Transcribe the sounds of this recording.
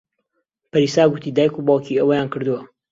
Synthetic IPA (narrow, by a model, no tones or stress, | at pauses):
pɐɾisaːɡʊt̪id̪aːjkubɑːlkʰiɐwɐjaːnkʰɨɾd̪uwɐ